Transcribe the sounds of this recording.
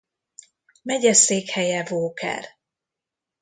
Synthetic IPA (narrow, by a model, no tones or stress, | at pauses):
mɛɟɛseːkhɛjɛvoːkɛ̰r